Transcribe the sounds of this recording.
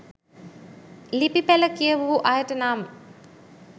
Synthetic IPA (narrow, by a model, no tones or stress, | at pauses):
lipipæləkijəʋuʋuʔajəʈənaːmə